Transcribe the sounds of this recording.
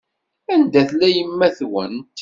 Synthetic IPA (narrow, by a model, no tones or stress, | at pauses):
ænd̪æθlæjəmːæθwæ̰nt̪ː